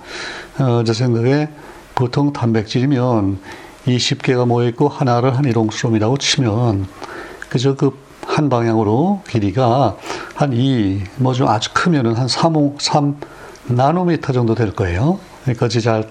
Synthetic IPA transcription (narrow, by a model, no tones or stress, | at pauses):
ʌt͡ɕes̬ʰe̞ŋɡaɡe | potʰoŋtambe̞k̚t͡ɕ͈iɾimjʌn | iɕʰip̚k͈e̞ɡamʌek͈ohanaɾɯɭɦaniɾonsʰuɾomiɾaɡot͡ɕʰimjʌnkɯd͡ʑʌkɯp̚ | hanbaŋjaŋɯɾokiɾiɡahanimʌd͡ʑomad͡ʑu̥kʰɯmjʌnɯnɦansʰamosʰam | nanomitʰʌd͡ʑʌŋdodwe̞ɭk͈ʌe̞jo | kik͈ad͡ʑit͡ɕaɭ